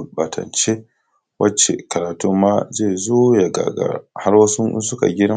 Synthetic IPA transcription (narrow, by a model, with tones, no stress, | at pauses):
ba˨tʰɐ̰˨nt͡ʃe˦ | wʔɐ˦t͡ʃe˨kɐ˨ɾaː˨tu˦mːa˦zeː˦˨zoː˦ja˨ɡa̰˨ɡa̰˨ha˦rwɐ˦sṵ˦su˦ka̰˨ɡʲɪ˦ɐ˦